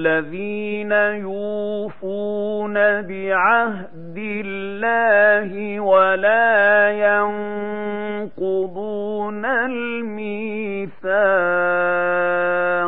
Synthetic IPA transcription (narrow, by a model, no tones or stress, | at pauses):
aðiːnajuːfunabɪʕah | d̪ɪlːaːhɪwalaːjan | qʊd̪ˤunal | miːθaː